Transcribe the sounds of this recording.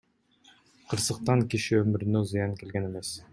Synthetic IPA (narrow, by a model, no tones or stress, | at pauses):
qʰɤ̆ɾsɤ̆q̚t̪ɑŋkiʃɘɵmɘ̆ɾ̆nɵzɤ̆jɑŋkelɡænemes